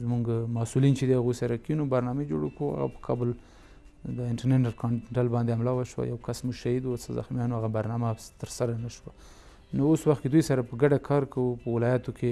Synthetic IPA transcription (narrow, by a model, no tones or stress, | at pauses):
zmuŋɡmasulint͡ʃed̪ehaɣujsaɾakinobaɾnɑmed͡ʒoɽekua̰ɣa̰pə̥kʰɑ̰bʊl | d̪əɪɳʈaɾnenaɾkɑʈalbɑnd̪eamlɑwaʃwa̰jawkasmuɡʃaid̪uwasaza̰xmjɑnoaɣabaɾnɑmat̪əɾsaɾanaʃwa | nooswaxt̪ked̪ujsaɾapəɡaɖakʰɑɾkawupəwɪlɑjat̪okʰe